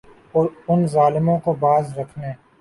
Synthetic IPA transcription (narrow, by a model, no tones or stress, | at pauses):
oːɾʊnzaːlɪmõkobaːzɾɐkʰneː